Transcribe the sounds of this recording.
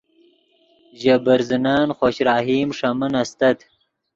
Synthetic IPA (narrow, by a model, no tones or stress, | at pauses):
ʑabɐɾzinaːnχoɕɾaːɦiːmʂɐmɐnɐst̪ɐt̪